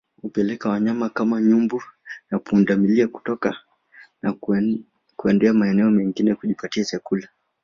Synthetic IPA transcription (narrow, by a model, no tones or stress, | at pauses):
hupɛlɛkawaɲamakamaɲumbunakundamiliaku̥tɔka | na | kuɛndɛamaɛnɛɔmɛŋɡinɛkuʄipatiasakula